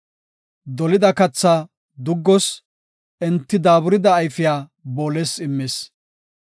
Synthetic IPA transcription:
d̪ɔlɪd̪ɐkɐt͡sːaː | d̪ʊɡːɔs | ʔɛnt̪ːɪd̪aːbʊɾɪd̪ɐːjfɪjaːboːleːsɪmːes

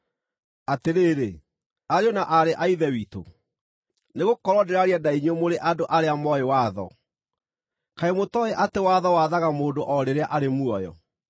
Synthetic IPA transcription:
ateɾeːɾe | aɾeɔnaʔaɾeʔaiðɛwito̰ | neɣokɔɾɔdeɾaɾiadaiɲwemoɾeʔadoʔaɾeamɔewaðɔ̰ | kaemotɔeʔatewaðɔwaðaɣamoːndoʔɔɾeɾeaʔaɾemwɔjɔ̰

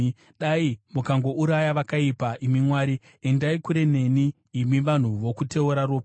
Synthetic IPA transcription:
ɗaimukaŋɡo̞ʔuɾajaʋakaipaʔimimwaːɾi | e̞ndaikuɾe̞ne̞niː | miʋan̤uʋo̞kute̞oɾaɾoːp

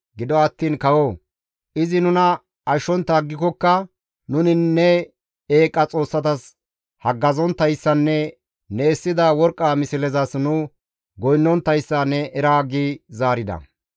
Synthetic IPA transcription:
ɡɪd̪ɔɐt̪ːiːnkɐwoː | ʔɪzɪnʊnɐ | ɐʃɔnt̪ːɐɡːɪkɔkːɐ | nʊnɪnːɛ | eːkʼːɐt͡sʼo̞ːsːɐt̪ɐs | hɐɡːɐzɔnt̪ːɐjsːɐnːɛ | nɛːsːɪd̪ɐwɔɾkʼːamɪsɪlɛzɐsnʊ | ɡɔjnːɔnt̪ːɐjsːɐnːɛʔɛɾaːɡizaːɾɪd̪ɐ̰

